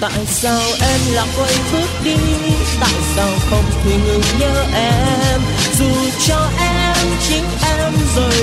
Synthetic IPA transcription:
t̪a̰ː˧˨jsaː˧wʔɛ˧mlaː˨˩ʔə˧jɓɨ˦˥ək̚ɗi˧t̪a̰ː˧˨jsaː˧wxə˧wŋ͡mt̪ʰwi˨˩ŋɨ˨˩ŋɲəː˧ʔɛ˧m | zu˨˩ | t͡ɕɔ˧ʔɛ˧ | mt͡ɕi˨˦ŋ̟ʔɛ˧mzo˨˩j

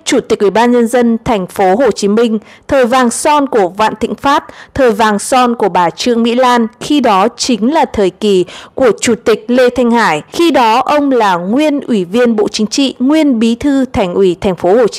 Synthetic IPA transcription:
t͡ɕu˧˩t̪i˨˩k̚ʔwi˧˩ɓaː˧nɲə˧nzə˧nt̪ʰɛ˨˩ŋ̟fo˨˦ɦo˨˩t͡ɕi˨˦mï˧ŋ̟t̪ʰəː˨˩jvaː˨˩ŋsɔ˧nku˧˩əva̰ː˧˨nt̪ḭ˧˨ŋ̟faː˦˥t̚t̪ʰəː˨˩jvaː˨˩ŋsɔ˧nku˧˩əɓaː˨˩t͡ɕɨ˧əŋmḭ˧˥laː˧nxi˧ɗɔ˨˦t͡ɕï˨˦ŋ̟laː˨˩t̪ʰəː˨˩jki˨˩ku˧˩ət͡ɕu˧˩t̪ï˨˩k̟̚lḛ˧t̪ʰa˧jŋ̟haː˧˩jxi˧ɗɔ˨˦ʔə˧wŋ͡mlaː˨˩ŋwi˧ənʔwi˧˩vi˧ənɓo̰˧˨t͡ɕï˨˦ŋ̟t͡ɕḭ˧˨ŋwi˧ənɓi˨˦t̪ʰɨ˧t̪ʰɛ˨˩jŋ̟ʔwi˧˩t̪ʰɛ˨˩ŋ̟fo˨˦ho˨˩t͡ɕ

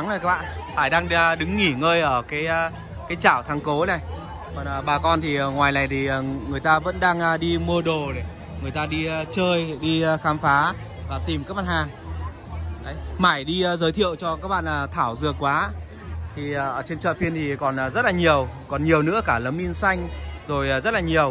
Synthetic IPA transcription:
ŋə˨˩kaː˦k̚ɓa̰ː˧˨nfaː˧˩jɗaː˧ŋ˧ɗɨ˨˦ŋːi˧˩ŋəː˧jʔəː˧˩kaː˨˦j | kaː˨˦jt͡ɕaː˧˩wt̪ʰa˧ŋko˨˦nə˨˩j | kɔ˨˩nəː˨˩ɓaː˨˩kɔ˧nt̪ʰi˨˩˨ŋwaː˨˩jna˨˩jt̪ʰi˨˩ə˨˩ŋɨ˨˩əjt̪aː˧və̰˧˥nɗaː˧ŋ˨ɗi˧mu˧əɗo˨˩ɗe˨˩ | ŋɨ˨˩əjt̪aː˧ɗi˧t͡ɕəː˧jɗi˧xaː˨˦mfaː˨˦ | vaː˨˩t̪i˨˩mkaː˧˦˥k̚ɓa̰ː˧˨nhaː˧˩ | ʔə˨˦jmaː˧˩jɗi˧zəː˨˦jt̪ʰḭ˧˨əwt͡ɕɔ˧kaː˦˥k̚ɓa̰ː˧˨naː˨˩t̪ʰaː˧˩wzɨ˨˩əkːwaː˨˦ | t̪ʰi˨˩˨t͡ɕe˧nt͡ɕə̰ː˧˨fi˧ənt̪ʰi˨˩kɔ˨˩nː˨˩zə˦˥laː˨˩ɲi˨˩əwkɔ˨˩nɲi˨˩əwnɨ̰˧˥əkaː˧˩lə˨˦mʔi˧ənsa˧jŋ̟zo˨˩jzə˦˥t̚laː˨˩ɲi˨˩əw

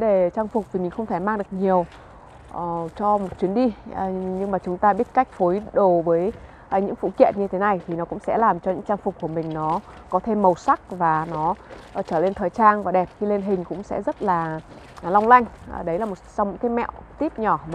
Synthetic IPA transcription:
ɗe˧˩t͡ɕaː˧ŋfʊ˨˩k͡p̚vi˨˩mi̟˨˩xə˧wŋ͡mt̪ʰa˧˩jmaː˧ŋɗɨ˨˩ək̚ɲi˨˩əw | t͡ɕɔ˧mo˨˩t̚t͡ɕwi˨˦ənɗi˧˨ɲɨ˧ŋmaː˨˩t͡ɕʊ˨˦ŋ͡mt̪aː˧ɓi˦˥ət̚ka˦˥jk̟̚fo˨˦jɗo˨˩vəː˨˦j | ɲɨ̰˧˥ŋfṵ˧˨kḭ˧˨ənɲɨ˧t̪ʰe˨˦na˨˩jt̪ʰi˨˩nɔ˨˦kʊ̰˧˥ŋ͡msɛ̰˧˥laː˨˩mt͡ɕɔ˧ɲɨ̰˧˥ŋt͡ɕaː˧ŋfʊ˨˩k͡p̚kːu˧˩əmï˨˩ŋ̟nɔ˨˦ | kɔ˨˦t̪ʰe˧mːə˨˩wsa˦˥k̚vaː˨˩nɔ˨˦˨t͡ɕəː˧˩le˧nt̪ʰəː˨˩jt͡ɕaː˧nvaː˨˩ɗɛ˨˩p̚xi˧le˧nɦï˨˩ŋ̟kʊ̰˧˥ŋ͡msɛ̰˧˥zə˦˥t̚laː˨˩ | la˧wŋ͡mla˧jŋ̟˧˩ɗə˨˦jlaː˨˩mo˨˩t̚sa˧wŋ͡mmo̰˨˧˥ŋkaː˨˦mɛ̰˧˨wt̪i˦˥p̚ɲɔ˧˩

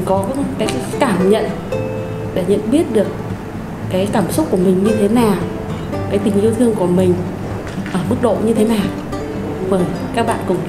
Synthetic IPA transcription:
kɔ˨˦˨kaː˨˦jkːkaː˧˩mɲə̰˧˨n | ɗe˧˩ɲə̰˧˨nɓi˦˥ət̚ɗɨ˨˩ək̚ː | aː˨˦jkaː˧˩msʊ˦˥k͡p̚kːu˧˩əmï˨˩ŋ̟ɲɨ˧t̪ʰe˨˦naː˨˩w | kaː˨˦jt̪ï˨˩ŋ̟ʔi˧əwt̪ʰɨ˧əŋku˧˩əmï˨˩ŋ̟ | ʔəː˧˩ɓɨ˦˥k̚ɗo̰˧˨ɲɨ˧t̪ʰe˨˦naː˨˩w | məː˧˩jkaː˦˥k̚ɓa̰ː˧˨nkʊ̰˧˩ŋ͡m

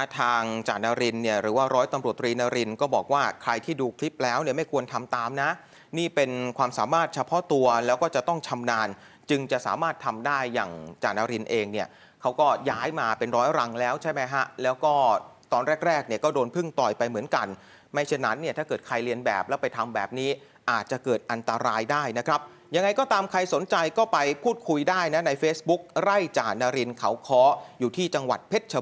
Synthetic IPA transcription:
t̪ʰa˥˩t̪ʰaː˧ŋt͡ɕaː˨˩naː˧ɾi˧nːi˥˩ɐɾɯː˩˦waː˥˩ɾɔː˦˥jt̪a˧mɾu˨˩ət̪ːɾiː˧naː˧ɾi˧nkɔː˥˩bɔː˨˩k̚waː˥˩kʰɾa˧jt̪ʰiː˥˩duː˧kʰli˦˥p̚lɛː˦˥wni˥˩əma˥˩jkʰu˧ənt̪ʰa˧mt̪aː˧mna˦˥ | niː˥˩pe˧nkʰwaː˧msaː˩˦maː˥˩t̪̚t͡ɕʰa˧pʰɔ˦˥t̪u˧ɐlɛː˦˥wkɔː˥˩t͡ɕa˨˩t̪ɔ˥˩ŋt͡ɕʰa˧mnaː˧n | t͡ɕɯ˧ŋt͡ɕa˨˩ʔsa̰ː˩˦maː˥˩t̪ʰːa˧mdaː˥˩jːa̰ː˨˩ŋt͡ɕaː˨˩naː˧ɾi˧nʔeː˧ŋni˥˩ɐ | kʰa˦˥wkɔː˥˩jaː˦˥jmaː˧pe˧nɾɔː˦˥jɾa˧ŋlɛː˦˥wt͡ɕʰa˥˩jma˦˥jkʰa˦˥ʔlɛː˦˥wkɔː˥˩t̪ɔː˧nɾɛː˥˩k̚ɾɛː˥˩k̚ni˥˩ɐkɔː˥˩doː˧npʰɯ˥˩ŋt̪ɔː˨˩jpa˧jmɯ˩˦ənka˧n | ma˥˩jt͡ɕʰa˥˩nːa˦˥nːi˥˩aː˥˩kɤː˨˩t̪̚kʰa˧jɾi˧ənbɛ̰ː˨˩p̚lɛː˦˥pa˧jt̪ʰa˧mbɛː˨˩p̚niː˦˥ | ʔaː˨˩t̪̚t͡ɕa˨˩kɤː˨˩t̪̚ʔa˧nt̪a˧ɾaː˧jdaː˥˩jna˦˥kʰɾa˦˥p̚ | ja˧ŋːa˧jkɔː˥˩t̪aː˧mkʰa˧jso˨˩˦nt͡ɕa˧jkɔː˥˩pa˧jpʰuː˥˩t̪̚kʰu˧jdaː˥˩jna˦˥na˧jfeː˦˥sbu˦˥k̚ɾa˥˩jt͡ɕaː˨˩na˧ɾi˧nkʰa˩˥wkʰɔː˦˥juː˨˩t̪ʰiː˥˩t͡ɕa˧ŋwa̰˨˩t̪̚pʰe˦˥t̪̚t͡ɕʰa˧

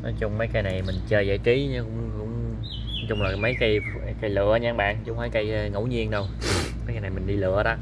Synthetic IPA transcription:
nɔ˨˦jt͡ɕʊ˧ŋ͡mmə˨˦jka˧jna˨˩jmï˨˩ŋ̟t͡ɕəː˧zə̰ː˧˩jt͡ɕi˨˦ɲ˨˦kʊ̰˧˥wŋ͡mkʊ̰˧˥ŋ͡m | t͡ɕʊ˧ŋ͡mlaː˨˩mə˨˦jka˧j | ka˧jlɨ̰˧˨ə˧ɲaː˧ŋɓa̰ː˧˨nt͡ɕʊ˧˦ŋ͡mmə˨˦jka˧jŋo̰˧˥wɲi˧ənɗə˧w | mə˨˦ka˧jna˨˩jmï˨˩ŋɗi˧lɨ̰˧˨əɗa˧

